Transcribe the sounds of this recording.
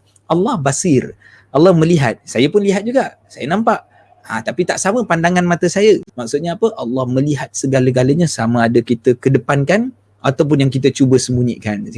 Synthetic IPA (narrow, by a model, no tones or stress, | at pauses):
ʔɑlːɑhbasɪr | ʔalːɑhmə̃liɦat̪̚sajəpʊnliɦat̪̚d͡ʒuɡaʔ | sajənãmpaʔ | ãt̪apit̪aʔsamə̃pandaŋanmat̪əsajəmak̚sʊt̪̚ɲaːpəʔɑlːɑhmə̃liɦat̪̚səɡaləɡaləɲasamə̃adəkit̪əkədəpankan | ʔat̪awp̬ʊnjaŋkit̪̬ət͡ʃubəsəmbuɲḭʔkan